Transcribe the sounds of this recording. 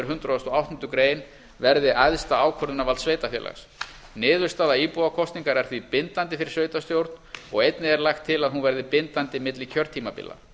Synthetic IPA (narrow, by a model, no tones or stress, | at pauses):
ʏɾ̥ɦʏnt̪ɾaðɔst̪ɔawht̪ɔnt̪ʏkɾeːjn | vɛɾðɪʔajðst̪aaːwkʰœɾðʏnavalt̪sveːjt̪afjɛ̰ːlʔa̰ɣs | nɪːðʏɾ̥st̪aːðaiːpuðakʰɔst̪niŋkaɾɛɾ̥θvipɪnt̪ant̪ɪfɪɾɪ̥sveːɥjt̪ast̪jowɾt̪nɔɣejt̪nɪɛɾlajxt̪ʰːɪlaðɦunvɛɾðɪpɪnt̪ant̪ɪmɪt̪lɪcʰœɾt̪ʰiːmapɪ̰lːa̰